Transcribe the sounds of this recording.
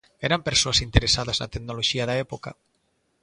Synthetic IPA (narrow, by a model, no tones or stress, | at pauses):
eɾampeɾsoasint̪eɾesaðazna̰t̪eɡnoloʒiaðaepoka̰